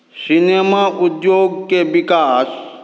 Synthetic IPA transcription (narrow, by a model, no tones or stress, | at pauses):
sɪnemaʔʊd̪joːɡkeʋɪkaːs